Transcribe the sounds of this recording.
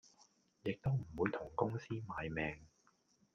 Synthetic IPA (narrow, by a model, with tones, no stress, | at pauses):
jɪ˨k̚t̪o˥wm̩˨˩wuː˨˧jt̪ʰʊ˨˩ŋkʊ˥ŋsiː˥maː˨jmɛː˨ŋ